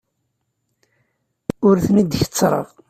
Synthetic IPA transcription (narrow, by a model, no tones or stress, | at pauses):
ʊɾθnid̪çə̥t͡sːɾˤə̰v